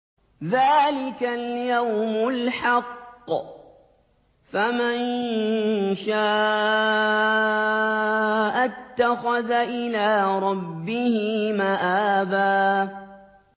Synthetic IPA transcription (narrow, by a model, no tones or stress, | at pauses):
ðaːlɪkaljawmʊlħɑqː | faman | ʃaːʔʔ | ʔat̪ːaxaðaʔɪlaːɾˤɑbːɪhɪmaʔaːbaː